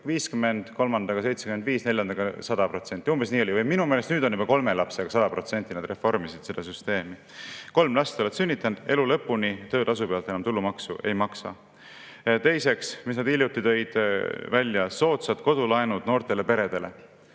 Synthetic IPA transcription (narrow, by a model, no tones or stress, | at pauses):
viːskymːe̞nd̪̥ko̞lmɑnd̪ɑɡ̥ɑse̞jt̪sekymenviːsne̞ljɑnd̪̥ɑɡ̥ɑsɑd̪ɑpro̞t̪se̞nʲt̪ːˑiumbe̞sniːo̞lʲivɤjminumeːlest̪nyːd̪o̞nːib̥ɑko̞lme̞lɑpseɡ̥ɑsɑd̪ɑpro̞t̪se̞nʲt̪ːˑinɑd̪re̞fo̞rmisid̪̥sed̪̥ɑsyst̪e̞ːmi | ko̞lmlɑst̪o̞let̪synʲːit̪ːˑɑnd̪̥e̞lulɤpːˑunit̪øːt̪ɑs̬upeɑlt̪enɑmt̪ulːumɑksuʔe̞̰jmɑksɑ̰ | t̪e̞jse̞ksmisnɑd̪ilʲjut̪ːˑit̪ø̞jd̪̥vælʲjɑso̞ːt̪sɑd̪ko̞d̪̥ulɑenud̪̥no̞ːrt̪e̞le̞pe̞ɾe̞d̪̥e̞le̞